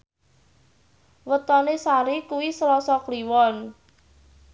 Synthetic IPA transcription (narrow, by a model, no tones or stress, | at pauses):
wət̪ɔnesaɾikuwisəlɔsɔkliwɔn